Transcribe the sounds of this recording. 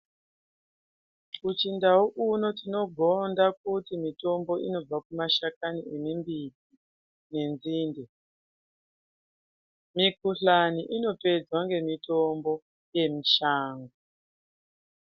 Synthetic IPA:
ut͡ʃindauʔuno̞tino̞ɡʱondak̚utimito̞mbo̞ʔino̞b͡vakumaʃakaniemimbidi | ne̞nd͡ziːnde | mikuɬaniʔino̞pe̞d͡zwaŋɡe̞mitombo̞ | je̞miʃaːŋɡo

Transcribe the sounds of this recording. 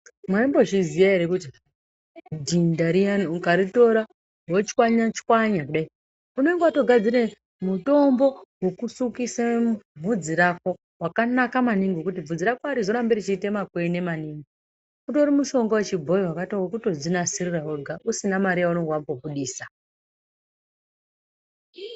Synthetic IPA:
mwaimbo̞t͡ʃizijaɦeɾekuti | dʱindaɾianukaɾito̞ɾa | wot͡ʃi̥kwaɲat͡ʃi̥kwaɲakuɗai | une̞ŋɡwato̞ɡʱad͡ziɾe̞ | muto̞mbo̞wokusukisebʱud͡ziɾako̞ | wakanakamaniŋɡukutib͡vud͡ziɾakoaɾizo̞ɾambeɾit͡ʃite̞makwene̞maniŋɡi | kutoɾimuʃo̞ŋɡowet͡ʃib͡vʱo̞jiwakatowakutod͡zinasiriraɦoɡʱaʔusinamaɾijaunoŋɡwambobuɗiːsa

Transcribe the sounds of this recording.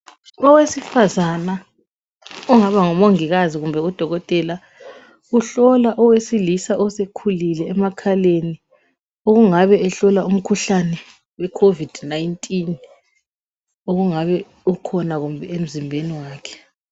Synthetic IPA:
ɔwesifazana | ɔŋaβaŋɔmoŋiɣaziɣumbʱɛud̥ʱɔɣɔtʼɛla | uɬɔlaʔɔwesilisaʔɔsekʰulilɛːmakʰaleni | oɣuŋaβɛɛɬɔlaum̩kʰuɬanɛ | wɛkʰovid̥najntʼin | oɣuŋaβɛ | ukʰɔnaɣumbʱɛem̩zimbʱeniwaːkʰɛ̥

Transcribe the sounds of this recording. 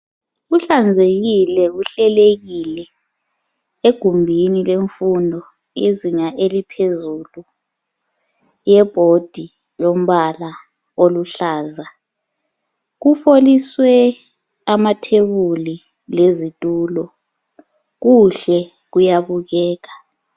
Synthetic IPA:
uɬand͡zʱeɣilɛuɬɛleɣilɛ | eɡ̥ʱumbʱinileɱfundʱɔ | iziŋaʔelipʰezulu | jɛb̥ʱod̥ʱi | lom̩βala | oluɬaːza | ɣ̬ufoliswɛ | amatʰeβuli | lezitʼuːlɔ | ɣuɬɛ | ɣ̬ujaβuɣɛːɣ̬a

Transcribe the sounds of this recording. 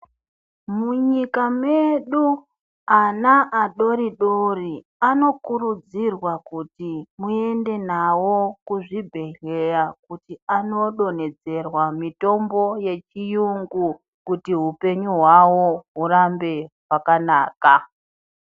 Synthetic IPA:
muɲikame̞ɗu | anaʔaɗo̞ɾiɗori | ano̞kuɾud͡zirwakutimue̞nde̞nawo̞kuʐibʱe̞ɮe̞jakutiano̞ɗo̞ne̞d͡ze̞rwamito̞mbo̞je̞t͡ʃijuŋɡu | kutiɦupe̞ɲuɦwawo̞ɦuɾambe̞ɦwakanaːka

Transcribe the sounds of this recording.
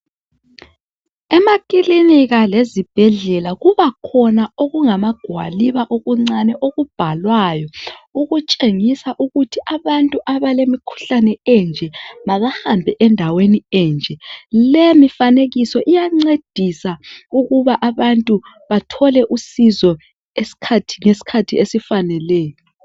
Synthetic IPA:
ɛmakiliniɣalezib̥ʱɛɮɛlaɣuβakʰɔnaoɣuŋamaɡ̥ʱwa̰liβaʔoɣuŋ͡ǀanɛʔoɣub̥ʱalwajɔuɣut͡ʃʼeŋisaʔuɣutʰiʔaβantʼuʔaβalemikʰu̥ɬanɛɛnd͡ʒʱɛmaɣahambʱɛʔɛndʱaweniɛnd͡ʒʱɛlemifaneɣisɔʔijaŋ͡ǀed̥ʱisauɣuβaʔaβantʼu | βatʰɔlɛʔusizɔ | esi̥kʰatʰi̥ŋesi̥kʰatʰiesifanɛlɛːjɔ

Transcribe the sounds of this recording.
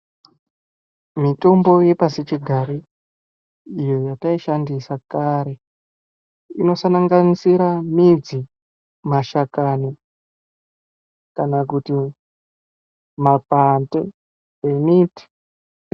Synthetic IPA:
mito̞mbo̞je̞pasit͡ʃiɡʱaɾi | jo̞jataiʃandisakaɾe̞ | ino̞sanaŋɡanisiɾamid͡zi | maʃakani | kanakuti | mapantḛ | emiti̥

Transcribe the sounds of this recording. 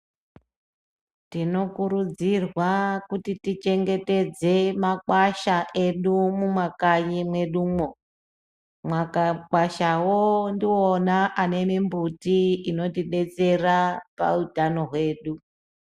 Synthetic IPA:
tino̞kuɾud͡zirwakutitit͡ʃe̞ŋɡe̞te̞d͡ze̞makwaʃaʔe̞ɗumumwakaɲimwe̞ɗumo | mwakaɓaʃawondionaʔane̞mimbutiino̞tiɗe̞t͡se̞rapa̰utano̞ɦwe̞ːɗu

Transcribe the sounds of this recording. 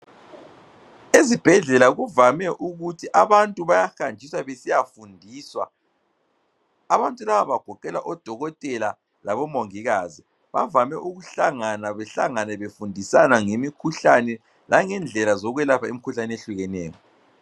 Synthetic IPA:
ezib̥ʱɛɮɛlaɣuvamɛʔuɣutʰiʔaβantʼuβajaxand͡ʒʱiswaβesijafundʱiːswa | βantʼulaβaβaɡ̥ʱɔkɛlaʔɔd̥ʱɔɣɔtʼɛla | laβɔmoŋiɣazi | βa̰vamɛʔuɣuɬaŋanaβɛɬa̰ŋanɛβefundʱisanaŋemikʰuɬanɛ | laŋɛnd͡ɮʱɛlazɔɣwɛlapʰaimikʰuɬanɛeɬuɣɛnɛːjɔ

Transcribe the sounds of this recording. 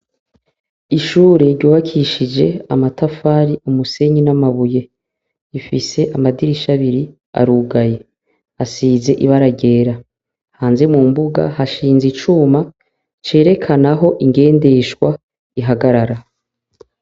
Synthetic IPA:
iʃuːɾeɾɟuːβakʰiʃid͡ʒe̞amatafaːɾiumuse̞ɲinamaβuje̞ | ifise̞ʔamadiɾiʃaβiɾi | a̰ɾuɡaje̞ | asiːze̞ʔiβaɾaɟe̞ːɾa | haːnze̞mumbuɡa̰haʃiːnzit͡ʃuːma | t͡ʃe̞ːɾe̞kʰanaɦo̞ʔiŋɡe̞ːnde̞ʃwa | iɦaɡaɾaɾa

